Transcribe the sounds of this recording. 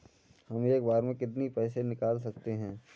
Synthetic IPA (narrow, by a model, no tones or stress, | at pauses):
hɐmeːkbaːɾmẽkɪt̪̬nipɛːs̬enɪkaːls̬ɐk̚t̪eɦɛ̃ː